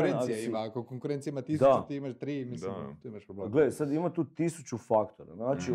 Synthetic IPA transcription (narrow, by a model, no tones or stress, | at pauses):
ɾenasieimakokoŋkuɾent̪sieimat̪isd̪aut̪iimaʃt̪ɾiːmid̪imt̪uːimaʃpɾobleɡled̪ajsad̪imat̪uːt̪isut͡ɕufakt̪oɾa̰naːt͡ʃi